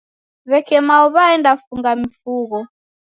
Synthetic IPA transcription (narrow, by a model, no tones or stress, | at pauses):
βɛkɛmaɔβaɛndafuŋɡamifuɣɔ